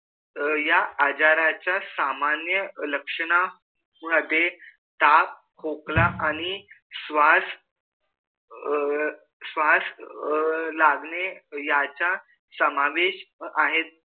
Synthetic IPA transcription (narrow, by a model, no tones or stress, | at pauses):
jaːd͡ʑaɾat͡ɕjasamanjələkʂəɳ̃a | məd̪ʱːje | t̪ap̚ | kʰoklaʔañi | sʋas | sʋas | laɡɳejat͡ɕa | səmaʋeɕaɦet̪̚